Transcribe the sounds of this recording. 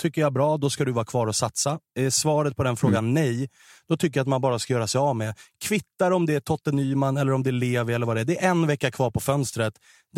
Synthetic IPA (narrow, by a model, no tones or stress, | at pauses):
t̪ʰʏkːəjabɾɑːd̪ɔskad̪ɵvaːkʰvɑːɾɔsat̪saɛsvɑːɾət̪̚pʰɔd̪ɛnfɾoːɡanːɛj | d̪̥ɔt̪ʰʏkːəjat̪manbɑːɾaskajœːɾasɛjɑvmɛkʰvɪt̪ːaɾɔmd̪ɛæʈʰɔt̪ːənyːmanːɛlːəɾɔmd̪ɛleːvəɾɛlːɾvaːd̪ɛæɖ̪ɛæɾɛnvɛkːakʰvɑːɾpʰɔfœnst̪ɾət̪ | d̪